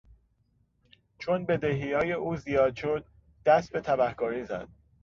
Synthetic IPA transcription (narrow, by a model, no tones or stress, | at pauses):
t͡ʃʰonbe̞d̪eɦijɒːje̞ʔuːzijɒːd̪ʃod̪̚ː | æst̪̚be̞t̪ʰæbæhkɒːɾiːzæ̰d̪̥̚